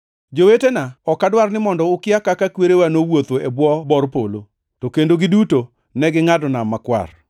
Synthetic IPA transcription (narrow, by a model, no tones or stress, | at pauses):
d͡ʒowetenaɔkːadwarnɪmɔndɔʊkɪakakakweɾewanowot̪oʔebwɔbɔrpolo | tokendoɡɪduto | nɛɡɪŋadɔnamakwa̰r